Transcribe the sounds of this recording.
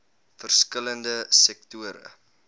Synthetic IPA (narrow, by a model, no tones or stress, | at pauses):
fərskələndəsɛktuəɾə̰